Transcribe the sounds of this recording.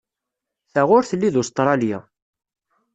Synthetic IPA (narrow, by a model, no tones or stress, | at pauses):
θæʁʊɾθəlːiðust̪ɾˤɑlja̰